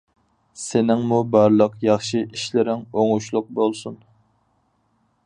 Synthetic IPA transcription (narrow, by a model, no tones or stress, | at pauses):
senɪŋmubɑɾlˠəqjɑχʃiʔiʃlɪɾɪŋoŋuʃlˠʊq̚bolˠsun